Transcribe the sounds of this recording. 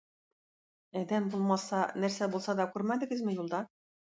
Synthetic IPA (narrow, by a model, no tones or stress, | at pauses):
æd̪æmbulˠmɑsɑnæɾsæbulˠsɑd̪ɑkʉɾmæd̪ɘ̆ɡɘ̆zmɘ̆julˠd̪ɑ